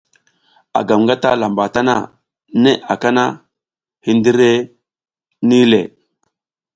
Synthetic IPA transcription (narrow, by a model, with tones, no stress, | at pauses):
a̰˨ɡa˨mŋɡa˦ta˦la˨mba˨ta˦na̰˨ | ne˦a˨ka˦na˦ | hi˦ndi˦ɾe˦ | ni˦le˨